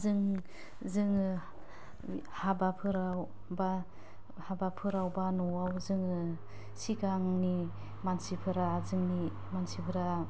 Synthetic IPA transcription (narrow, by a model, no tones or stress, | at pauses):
zɯŋ | zɯŋɯ | habapʰɯɾaw | ba | habapʰɯɾawbanɔawzɯŋɯ | sikaŋni | mansipʰɯɾazɯŋni | mansipʰɯɾa